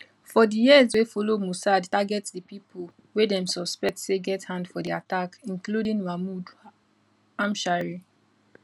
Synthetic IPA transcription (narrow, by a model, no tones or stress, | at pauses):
fɔdijizwefɔlomusadtaɡɛtsdipipʰo | wedɛ̃msɔspɛk̚tseɡɛthãndfɔdiatakĩnkludĩŋmamud | ãmʃaɹi